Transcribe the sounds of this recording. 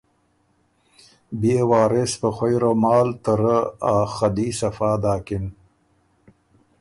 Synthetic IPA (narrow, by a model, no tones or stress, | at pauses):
beːwaːɾespəxojɾomɑːlt̪əɾəaːxɐd̪iːsɐfaːd̪aːkɪn